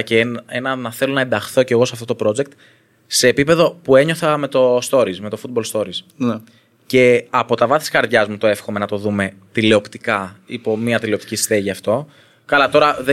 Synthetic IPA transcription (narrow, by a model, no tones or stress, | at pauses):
ceenɐnɐθe̞lo̞nɐe̞nd̪ɐxθo̞ce̞ɣo̞sɐft̪ot̪opɾo̞d͡ze̞k̚t̪ | se̞ːpipe̞ðo̞pue̞ɲo̞θɐme̞t̪o̞st̪o̞ɾizme̞t̪o̞fut̪̚bo̞lst̪o̞ɾis | n | ce̞ɐpo̞t̪ɐvɐθi̥skɐɾðʝɐzmut̪o̞e̞fxome̞nɐt̪o̞ðume̞t̪ileo̞pt̪i̥kɐipo̞miɐt̪ileo̞pt̪icisi̥t̪eʝiɐft̪o̞ | kɐlɐt̪o̞ɾɐðe